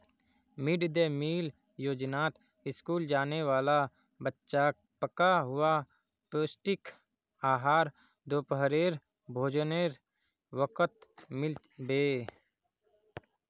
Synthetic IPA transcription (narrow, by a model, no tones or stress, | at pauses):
mɪɖd̪emiːl | joːd͡ʒnaːt̪ | ɪskuːld͡ʒaːneʋaːla | bətːʃak̚ | pəkaɦʊa | poːsʈɪk | aːɦaːɾ | d̪oːpəɦɾeːɾ | bʱoːd͡ʒneːɾ | ʋəkət̪mɪl | beː